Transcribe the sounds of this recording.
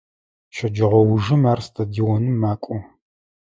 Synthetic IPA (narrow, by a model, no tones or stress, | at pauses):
ʃɐd͡ʒɐʁʷɔwʊʒɨmaːrstʰɐdiːwɔnɨmːaːkʷʼʊ